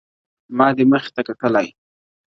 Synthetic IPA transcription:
mɑd̪əməxt̪akaʈəlaj

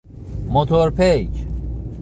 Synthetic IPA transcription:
mot̪ʰoɾpʰet͡ʃ

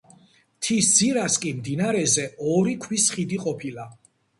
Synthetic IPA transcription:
t̪ʰisd̪z̥iɾaskʼimd̪inaɾɛzɛɔɾikʰwisχid̪iqʼɔpʰila

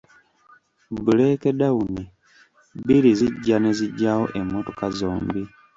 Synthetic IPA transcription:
bule̞kedawuni | biɾiziɟːane̞ziɟːawo̞̰ʔe̞mːoto̞kazoːmbi

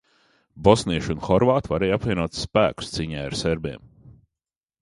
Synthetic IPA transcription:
bɔsniɛʃunxɔɾvaːt̪vaɾɛjapvʲiɛnuɔt̪sspæ̰ːku̥st̪siːɲɛːjaɾseɾbiɛm

